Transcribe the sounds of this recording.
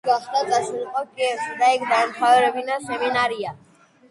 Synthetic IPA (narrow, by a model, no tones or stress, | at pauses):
ɡaχd̪at̪sʼasulqʼɔkʼiɛfsad̪aɛkʰd̪aɛmχavɛɾɛbinasɛminaɾia